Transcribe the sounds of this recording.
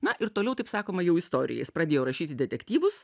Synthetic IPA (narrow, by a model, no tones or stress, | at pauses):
nɐʔɪɾt̪oːlʲɛʊt̪ɐɪpsɑːkoːmɐjɛʊɪst̪oːɾʲɪ̰jɛ̰jɪspɾɐd̪ʲeːjoːɾɐʃʲiːt̪ʲɪd̪ʲɛt̪ʲɛkt̪ʲiːʋʊs